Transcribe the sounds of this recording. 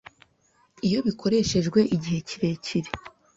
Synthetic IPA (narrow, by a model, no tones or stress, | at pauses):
ijo̞βikʰo̞ɾe̞ːʃe̞ʒɡweʔiɟihe̞ciɾe̞ciɾe